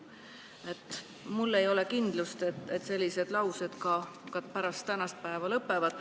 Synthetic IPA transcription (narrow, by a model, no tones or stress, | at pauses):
e̞t̪ːˑ | mulːe̞jo̞lekind̪̥lust̪e̞t̪ːˑet̪se̞lʲːise̞d̪̥lɑwsed̪̥kɑkɑt̪pæɾɑst̪ːænɑst̪̚pæevɑlɤpːˑe̞vɑd̪̥